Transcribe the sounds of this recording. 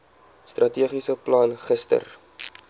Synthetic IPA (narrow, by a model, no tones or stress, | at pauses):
strɐtiəχisəplɑnχəstə̰r